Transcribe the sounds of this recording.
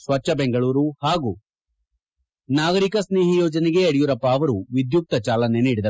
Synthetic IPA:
sʋɐt͡ʃːɐbeŋɡɐɭuːɾuhaːɡu | naːɡɐɾikɐsneːɦijɔːd͡ʒɐniɡe̞ɐɽijuɾɐpːaːʋɐɾuʋid̪juk̚t̪ɐt͡ʃaːlɐne̞niːɽid̪ɐ

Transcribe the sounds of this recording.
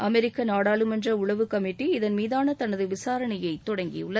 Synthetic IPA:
ɐmɛɾɪkːɐnaːɽaːɭɯmɛndrɐʊɭɐʋɯkɐmɪʈːiɪðɐnmiːðaːnɐt̪ɐnːɐðɯʋɪsaːɾɐɳɐjɐɪt̪ːɔɽɐŋɡɪ̰jʊ̰ɭːɐ

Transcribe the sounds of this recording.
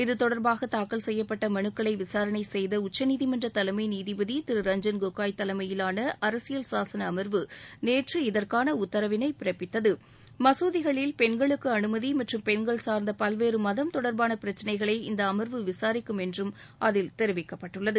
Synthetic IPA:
ɪðɯt̪ɔɽɐɾbaːɣɐt̪aːkːɐɭsɛjːɐpːɐʈːɐmɐɳɯkːɐɭɐɪʋɪsaːɾɐnɐɪsɛjðɐʊt͡ʃːɐniːðɪmɐndrɐt̪ɐlɐmɐɪniːðɪbɐðit̪ɪɾɯɾɐɲd͡ʒɐnɡokːaːjt̪ːɐlɐmɐjɪlaːnɐʔɐɾɐsɪjɐlsaːsɐnɐːmɐɾʋɯneːʈrɯɪðɐrkaːnɐʊt̪ːɐɾɐʋɪnɐɪpɪɾɐpːɪt̪ːɐðɯ | mɐsoːðɪɣɐɭɪlpɛnɡɐɭɯkːɯɐnɯmɐðimɐʈrɯmpɛnɡɐɭsaːɾnd̪ɐpɐlʋeːɾɯmɐðɐmt̪ɔɽɐɾbaːnɐpɪɾɐt͡ʃːɐnɐɪɣɐɭɐɪɪnd̪ɐːmɐɾʋɯʋɪsaːɾɪkːɯmɛndrɯm | ʔɐðɪlt̪ɛɾɯʋɪkːɐpːɐʈːɯɭːɐðɯ

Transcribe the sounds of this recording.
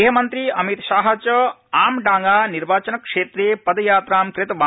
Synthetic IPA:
ɦɐmɐnt̪ɾiɐmit̪ʃaːɦɐt͡ʃɐ | aːmɖaːŋɡaniɾbaːt͡ʃɐnɐkʂeːt̪ɾeːpɐd̪ɐjaːt̪ɾaːmkɾɪt̪ʋa

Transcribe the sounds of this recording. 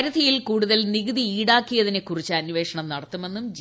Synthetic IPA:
ɾud̪ʱɐjilkuːɽuðɐlniɣɨðiiːɽaːkːijɐðine̞kːurit͡ɕːɐnʋe̞ːʂɐɳɐmnɐɽɐt̪ːume̞nːumd͡ʑ

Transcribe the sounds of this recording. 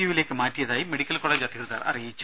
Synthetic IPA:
uʋɪleːkːɯmaːʈːɪjɐðaːjimɛɽɪkːɐlkoːleːd͡ʒaːt̪ːɯɣɪɾɐða̰ːɾɐ̰ɾeːt͡ʃː

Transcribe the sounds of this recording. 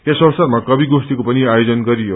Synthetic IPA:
esʌrsʌrmakʌbiɡosʈ̪ikopʌniajod͡zʌnɡʌɾijo

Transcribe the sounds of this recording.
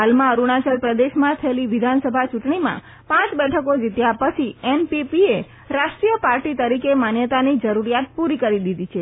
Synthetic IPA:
ɦalmãəɾuɳat͡ʃəɾpɾəd̪eʃmãt̪ʰəeliʋɪd̪ʱansəbʱat͡ʃuʈɳimã̰ | pãt͡ʃbɛʈʰəkod͡ʒit̪japət͡ʃʰiɛnpipie | ɾaʃʈɾijəpaɾʈit̪əɾikemanjət̪anid͡ʒəɾuɾijat̪̚puɾikəɾid̪id̪it͡ʃʰe

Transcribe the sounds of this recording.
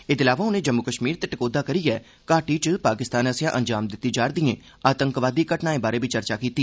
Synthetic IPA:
ɪd̪ɪlaːʋaʊnẽːd͡ʒəmːʊkəʃmiːɾt̪eʈɪkoːd̪aːkəɾiɛː | kaːʈiːt͡ʃəpaːkɪst̪aːnəsɪjaʔənd͡ʒaːmd̪ɪt̪ːid͡ʒaːɾd̪iẽː | aːt̪əŋkʋaːd̪iːɡəʈnaːẽːbaːɾeːbʱit͡ʃəɾt͡ʃaːkiːt̪iː

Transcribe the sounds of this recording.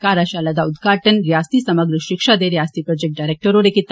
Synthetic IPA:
kaɾaʃalɐd̪aud̪ɡʱaːʈənɾjast̪isɐməɡɾəʃikʂad̪eɾjast̪ipɾɔd͡ʒek̚ʈ̚ɖajɾek̚ʈəɾoɾekit̪ː

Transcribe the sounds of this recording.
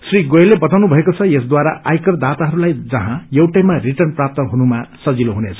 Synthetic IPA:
sriɡojelːebʌt̪awnubʱʌekot͡sʰʌjesd̪waɾaʔajkʌrd̪at̪aɦʌɾulajd͡zʌɦãjewʈajmariʈʌrnprap̚t̪ʌɦunumasʌd͡ziloɦunet͡sʰʌ̥

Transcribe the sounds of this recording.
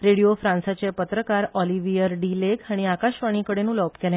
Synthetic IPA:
ɾeɽijofɾãnsat͡sepət̪ɾəkaɾɔliʋijəɾɖilekaɽ̃iakaɕʋaɽ̃ikəɽenuːlɔpkɛla

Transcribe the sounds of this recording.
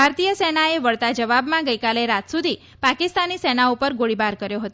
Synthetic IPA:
bʱaɾt̪ijəsɛnaeʋəɭt̪ad͡ʒəʋabmãɡəjkaleɾat̪sud̪ʱi | pakɪst̪anisɛnaupəɾɡoɽibaɾkəɾjoɦət̪o

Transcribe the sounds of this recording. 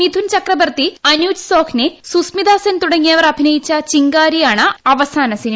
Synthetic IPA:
id̪ʱunt͡ɕɐkrɐbɐrt̪iɐnjuːd͡ʑsoːkʰnesusmid̪aːsɐnt̪uɽɐŋːijɐʋɐɾɐbʱinɐjit͡ɕːɐt͡ɕiŋɡaːɾijaːɳɨɐʋɐsaːnɐsin

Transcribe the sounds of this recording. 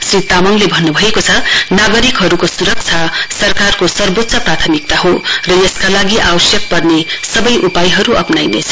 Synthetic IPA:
srit̪amʌŋlebʱʌnːubʱʌekot͡sʰʌnaɡʌɾikɦʌɾukosuɾʌk̚t͡sʰʌsʌrkarkosʌrbot̪ːsʰʌprat̪ʰʌmik̚t̪aɦorʌjʌskalaɡiʔawʌsjʌk̚pʌrnesʌbʌjʔupajɦʌɾuʌpnajnḛt͡sʰʌ̥

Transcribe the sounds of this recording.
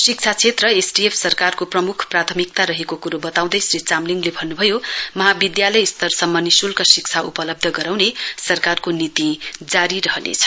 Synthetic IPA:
sik̚t͡sʰat͡sʰet̪rʌesʈiepʰsʌrkarkoprʌmukʰprat̪ʰʌmik̚t̪aɾʌɦekokuɾobʌt̪aw̃d̪ʌjsrit͡samliŋlebʱʌnːubʱʌjomʌɦabid̪jalʌjst̪ʌrsʌmːʌnisulkʌsik̚t͡sʰaupʌlʌb̚d̪ʱʌɡʌɾawnesʌrkarkonit̪id͡zaɾiɾʌɦʌlḛt͡sʰʌ̥

